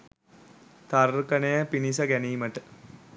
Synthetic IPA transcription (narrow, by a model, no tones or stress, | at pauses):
t̪arkənejəpinis̬əɡæniːməʈə